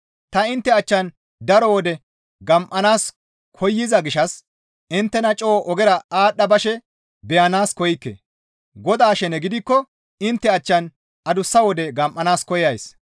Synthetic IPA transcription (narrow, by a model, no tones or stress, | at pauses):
t̪ɐɪnt̪ːɛɐt͡ʃːɐn | d̪ɐɾɔwɔd̪ɛ | ɡɐmʔɐnaːs | kʰɔjːɪzɐɡɪʃɐs | ʔɪnt̪ːɛnɐt͡ʃʼoːʔɔɡɛɾɐaːɗːɐbɐʃɛ | bɛjɐnaːskɔjɪkːḛ | ɡɔd̪aːʃɛnɛɡɪd̪ɪkːɔ | ɪnt̪ːɛɐt͡ʃːɐn | ɐd̪ʊsːɐwɔd̪ɛɡɐmʔʼːɐnaːskɔjɐjs